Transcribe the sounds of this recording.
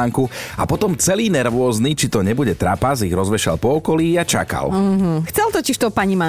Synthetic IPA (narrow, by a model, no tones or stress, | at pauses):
aŋkua̰pɔt̪ɔmt͡sɛliːnɛɾʋʊɔznit͡ʃit̪ɔɲɛbuɟɛt̪ɾa̰paziɣɾɔzʋɛʃa̰lpɔɔkɔliːat͡ʃa̰ka̰l̩ɦ̩xt͡sɛlt̪ɔciʃt̪ɔpaɲima